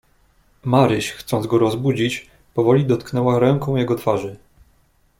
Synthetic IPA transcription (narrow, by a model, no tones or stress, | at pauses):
maɾɘɕxt̪sɔnd̪ɡɔɾɔzbud͡ʑit͡ɕ | pɔvɔlʲid̪ɔt̪knɛwaɾɛŋkɔ̃w̃jɛɡɔt̪faʐɘ